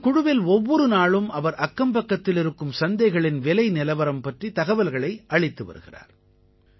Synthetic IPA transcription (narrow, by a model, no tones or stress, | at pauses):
kʊɽʊʋɪlɔʋːɔɾɯnaːɭɯmɐʋɐɾʔɐkːɐmpɐkːɐt̪ːɪlɪɾɯkːɯmsɐnd̪ɐɪɣɐɭɪnʋɛlɐɪnɪlɐʋɐɾɐmpɐʈrit̪ɐɣɐʋɐlɣɐɭɐɪʔɐɭɪt̪ːɯʋɐ̰ɾɯɣɪ̰ra̰ːɾ